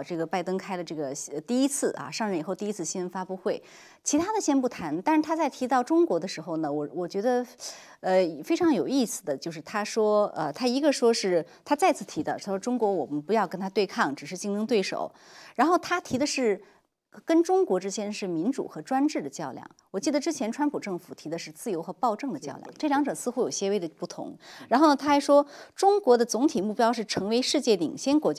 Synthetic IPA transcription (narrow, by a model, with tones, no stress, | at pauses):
ʈ͡ʂɤ˥˩ɡə˩pa˥˩ɪt̪ɤ˥ŋkʰa˥ɪlə˨ʈ͡ʂɤ˥˩ɡə˩ɕt̪i˥˩i˥t͡sʰɹ̩˥˩ʔɐ̰˧ʂɑ˥˧ŋɻi˨˩xo˥˧ʊt̪i˥˧i˥t͡sʰɹ̩˥˧˩ɕi˥wə˧˥nfa˥pu˥˧xwe˥˩ɪ | t͡ɕʰi˧˥t̪ʰa˥d̪ə˨ɕjɛ˥npu˥˩t̪ʰa˧˥nt̪a˥˧ɻ̩˥˧t̪ʰa˥t͡sa˥˩ɪt̪ʰi˧˥t̪ɑ˥˩ʊʈ͡ʂʊ˥ŋkwɔ˧˥d̪ə˧ʂɻ̩˧˥xo˥˧ʊnə˩wɔ˨˩wɔ˨˩t͡ɕɥɛ˧˥d̪ə˧ | ə˧˨˩fe˥ɪʈ͡ʂʰɑ˧˥ŋjo˨˩ʊi˥˩sɹ̩˨˩d̪ə˩t͡ɕjo˥˧ʊʂɻ̩˥˩t̪ʰa˥ʂwɔ˥ə̰˧t̪ʰa˥i˧˥ɡə˧ʂwɔ˥ʂɻ̩˥˩t̪ʰa˥t͡sa˥˧ɪt͡sʰɹ̩˥˩t̪ʰi˧˥d̪ə̰˧˩˥ʊʈ͡ʂʊ˥ŋkwɔ˧˥wɔ˨˩mə˦npu˧˥jɑ˥˧ʊkə˥nt̪ʰa˥t̪we˥˧ɪkʰɑ˥˩ŋʈ͡ʂɻ̩˨˩ʂɻ̩˥˧t͡ɕi˥˧ŋt̪ʰɤ˥ŋt̪we˥˩ɪʂo̰˨˩˦ʊ | ɻa˧˥nxo˥˩ʊt̪ʰa˥t̪ʰi˧˥d̪ə˧ʂɻ̩˥˩ | kə˥nʈ͡ʂʊ˥ŋkwɔ˧˥ʈ͡ʂɻ̩˥t͡ɕʰjɛ˥nʂɻ̩˥˩mi˧˥nʈ͡ʂṵ˨˩xɤ˧˥ʈ͡ʂwa˥nʈ͡ʂɻ̩˥˩d̪ə˩t͡ɕjɑ˥˧ʊljɑ̰˥˩ŋwɔ˨˩t͡ɕi˥˩d̪ə˩ʈ͡ʂɻ̩˥t͡ɕʰjɛ˧˥nʈ͡ʂʰwa˥npʰu˨˩ʈ͡ʂɤ˥˩ŋfu˨˩t̪ʰi˧˥d̪ə˧ʂɻ̩˥˧t͡sɹ̩˥˩jo˧˥xɤ˧˥pɑ˥˧ʊʈ͡ʂɤ˥˩ŋd̪ə˩t͡ɕjɑ˥˧ʊljɑ̰˥˧˩ŋʈ͡ʂɤ˥˩ljɑ˧˥ŋʈ͡ʂɤ˨˩sɹ̩˥˧xu˧˥jo˨˩ʊɕjɛ˥we˥˩ɪd̪ə˩pu˥˩t̪ʰʊ̰˧˥ŋɻa˧˥nxo˥˩nə˩t̪ʰa˥˩ʂwɔ˥ʈ͡ʂʊ˥ŋkwɔ˧˥d̪ə˧t͡sʊ˧˥ŋt̪ʰi˨˩mu˥˩pjɑ˥ʊʂɻ̩˥˩ʈ͡ʂʰɤ˧˥ŋwe˧˥ɪʂɻ̩˥˧t͡ɕjɛ˥˩lḭ˨˩ŋɕjɛ˥nkwɔ˧˥t͡ɕ